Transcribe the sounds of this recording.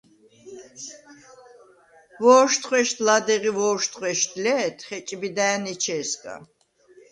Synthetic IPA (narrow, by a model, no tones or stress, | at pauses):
vɔːʃt̪χwɛʃt̪ʰlad̪ɛʁivɔːʃt̪χwɛʃt̪ʰlɛːt̪ʰχɛt͡ʃʼbid̪aːnit͡ʃʰɛːskʼa̰